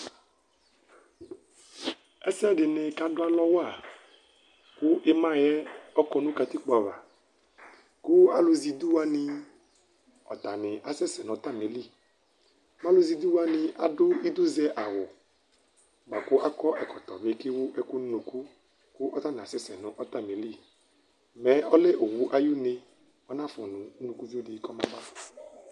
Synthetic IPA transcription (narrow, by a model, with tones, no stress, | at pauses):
ɛ˦sɛ˦ɖɪ˨nɪ˨ka˦dʊ˦a˦lɔ˦wa˨ | kʊ˦ʔɪ˦mã˦jɛ˦ɔ˦kɔ˦nũ˦ka˨t̪ɪ˦k͡pɔ˨a˨va̰˨ | kʊ˦a˦lʊ˦zi˨d̪u˦wa˦nɪ˨ | ɔ̰˨t̪a˨nɪ̃˨ʔa˨sɛ˦sɛ˨nɔ˨˦t̪a˦me˨˦li˦ | mã˦lʊ˦zi˨d̪u˦wa˦nɪ̃˧ʔa˨dʊ˦i˦d̪ʊ˦zɛ˦ʔa˨wʊ˨ | ɡ͡ba˨kʊ˦ʔa˦kɔ˦ʔɛ˨kɔ˨t̪ɔ˨vɪ˨˦kɪ˦wʊ˦ʔɛ˨kʊ˦n˦nũ˨ku˦ | kʊ˦ʔɔ˦t̪a˦nɪ˨a˨sɛ˦sɛ˨nʊ̃˨ʔɔ˦t̪a˦me˨li˦ | mɛ˨˦ɔ˦le˦ʔo˨wu˦ʔa˦ju˦nɪ˦ | ɔ˦nã˦fɔ˨nʊ̃˨˦nũ˨ku˦vi˦o˦dɪ˨˦kɔ˦mã˦ba˦˨